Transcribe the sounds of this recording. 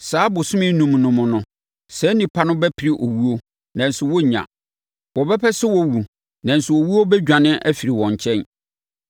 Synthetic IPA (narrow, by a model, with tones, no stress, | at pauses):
saː˨˦bʊ˨sʊ̃˦mɪ̃˦nũ˨m˨nʊ̃˨mʊ̃˨nʊ̃˨ | sɛ˦nĩ˨pʰa˦nʊ̃˦bɛ˦pʰi˨ɾi˦ʔo˨wu˦o˦ | nã˨n̩˨sʊ˨wɔ˦ɲã̰˨ | wɔ˨bɛ˦pʰɛ˦sɛ˦wɔ˦wu˨ | nã˨n̩˨sʊ˨wo˨wu˦o˦bɛ˦d͡ʑᶣã˨nɪ̃˦ʔæ˦fi˨ɾi˨wɔ̃˨ɲ˨t͡ɕʰɛ̃˦n